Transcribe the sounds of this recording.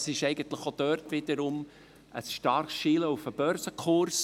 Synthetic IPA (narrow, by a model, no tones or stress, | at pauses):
sɪʃɛɪɡənt̪ləχod̪̥œːrtʋɪdəɾʊm | ʔə̰sʃtɑɾχsʃiːləufəb̥œɾsəkχʊɾs